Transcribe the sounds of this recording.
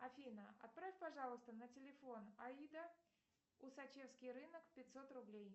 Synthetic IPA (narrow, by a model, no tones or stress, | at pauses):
ɐfʲinəɐ̰t̪̚pɾafʲpɐʐɑlˠəst̪ənətʲɪlʲɪfo̞nɐid̪ə | ʊsɐt͡ɕe̞fskʲɪjrɨnəkpʲɪtʲso̞t̪rʊblʲej